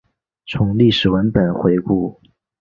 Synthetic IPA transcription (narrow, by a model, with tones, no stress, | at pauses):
t͡sʰʊ˧˥ŋli˥˩ʂɻ̩˨˩wə˧˥npə˨˩nxwe˧˥ɪku˥˩